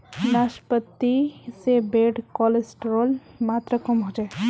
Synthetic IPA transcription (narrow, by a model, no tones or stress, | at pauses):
naːʃpət̪ːisebeːɖkɔːlesʈɾolmaːt̪ɾəkəmɦod͡ʒae